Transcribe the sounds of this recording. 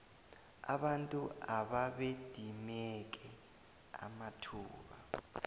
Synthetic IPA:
a̰ɓantʼuaɓaɓed̥ʱimɛk̬ʼɛ | a̰matʰuːɓa

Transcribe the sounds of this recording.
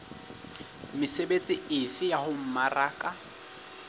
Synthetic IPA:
mɪsebet͡sʼɪɪfɪjahʊm̩maraːkʼa

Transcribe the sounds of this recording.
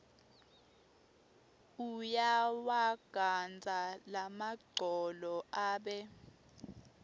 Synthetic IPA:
ujawaɡ̥ʱand͡zʱalamaɡ͡ǀʱɔlɔʔaːɓɛ

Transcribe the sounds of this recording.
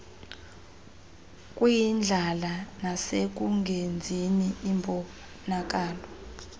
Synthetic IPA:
kʼwijind͡ɮʱalanasek̬uŋɡʱend͡zʱiniːmbʱɔ | nak̬aːlɔ

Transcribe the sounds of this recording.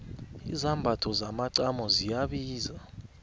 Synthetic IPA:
izambʱatʰɔzamaǀamɔzijaɓiːza

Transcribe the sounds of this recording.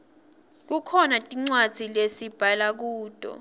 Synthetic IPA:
k̬ukʰɔnatʼiŋ͡ǀwad̥z̥ʱilesib̥ʱalak̬uːd̥ʱʼɔ̰

